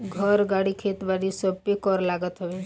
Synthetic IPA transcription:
ɡʱəɾɡaːɽikʰeːt̪baɽisəbpekɔɾlaːɡət̪ɦʊʋe

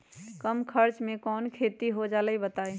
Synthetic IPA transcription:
kəmkʰəɾt͡ʃmekɔnkʰet̪iɦod͡ʒaləjbət̪aj

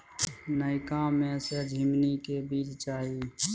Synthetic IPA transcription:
nəɪkamẽsed͡ʒʱimnikebiːt͡ʃt͡ʃaːɦi

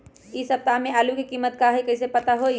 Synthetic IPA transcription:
isɐp̚t̪amẽaːlukikiːmːət̪kaɦekɐɪs̬epɐt̪aɦoi

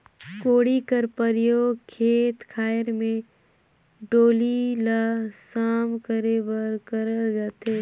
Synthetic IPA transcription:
koːɽikəɾpəɾjoːɡkʰeːt̪kʰaːjəɾmẽ | ɖoːlilaːsaːmkəɾebəɾkəɾəd͡ʒaːt̪eː

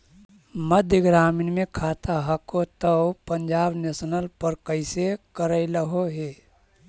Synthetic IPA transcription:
məd̪ʱjəɡɾaːmɪnmẽkʰaːt̪aɦəkot̪əwpəɲd͡ʒaːbnesnəlpəɾkəɪsekəɾəɪləɦoɦeː

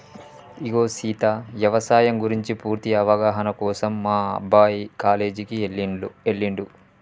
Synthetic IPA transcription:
iɡoːsiːt̪aːʋjɐʋɐsaːjɐmɡuɾiɲt͡ʃipuːɾt̪iɐʋɐɡaːɦɐnɐkɔːsɐmːaːɐ̰bʱaːjkaːle̞ːd͡ʒikielːiueɭːiɳɖu

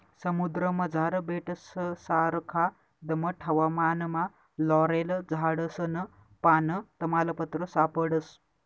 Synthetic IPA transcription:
sɐmud̪ɾəmɐd͡zʱaːɾɐbeːʈəsəsaːɾɐkʰa | d̪ɐmɐʈʰɐʋamaːnɐma | lɔːɾelɐd͡zʱaːɽəsənɐ | paːnət̪ɐmaːlɐpɐt̪ɾəsaːpəɽəs

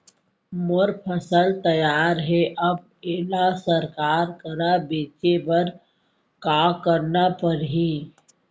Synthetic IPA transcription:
moɾpʰəsəlt̪əjaːɾɦɛʔɐb̚ | eːlasəɾkaːɾkəɾabeːt͡ʃebəɾ | kaːkəɾnapəɾɦiː

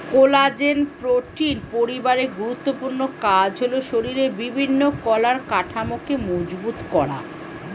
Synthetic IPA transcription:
kolad͡ʑenpɾoʈinpoɾibaɾeɡuɾut̪ːopuɾnokad͡ʑʱɦoloʃoɾiɾebibʱinːokɔlaɾkaʈʰamokemod͡ʑbut̪kɔɽa̰

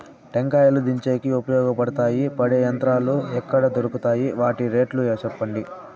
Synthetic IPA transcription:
ʈeŋkaːjɐlud̪iɲt͡ʃeːkiupɐjɔːɡɐpɐɽɐt̪aːjipɐɽeːjɐnt̪ɾaːluɛkːɐɽɐd̪oɾukut̪aːjiʋaːʈiɾe̞ːʈlut͡ʃɛpːɐɳɖi

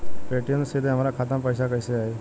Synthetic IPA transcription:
peːʈijənsed̪ɦəmaːɾakʰaːt̪əmpəjsakəɪseaːɦeː

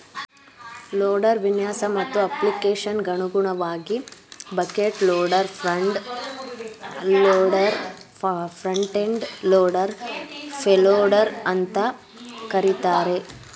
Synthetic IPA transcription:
loːɖɐɾʋinjaːsɐmɐt̪ːuɐplikeːʃɐnɡɐɳuɡuɳɐʋaːɡibɐkeːʈloːɖɐɾ | loɖɐɾ | pʰɾɐɳʈeɳɖloːɽɐɾpʰeloːɖɐɾɐnt̪ɐ | kɐɾit̪aːɾe̞

